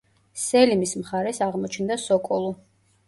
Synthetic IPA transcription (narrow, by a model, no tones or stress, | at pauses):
sɛlimismχaɾɛsaʁmɔt͡ʃʰnd̪asɔkʼɔlˠɔ